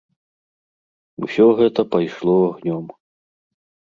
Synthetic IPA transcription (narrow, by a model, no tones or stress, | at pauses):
ṵsʲɔɣɛt̪ɐpajʂlˠɔaɣnʲɔm